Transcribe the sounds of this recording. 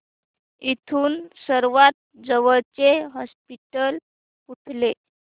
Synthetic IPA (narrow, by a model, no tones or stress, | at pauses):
it̪ʰuːnsəɾʋat̪̚d͡zəʋəɭt͡seɦɔspiʈəl | puʈʰle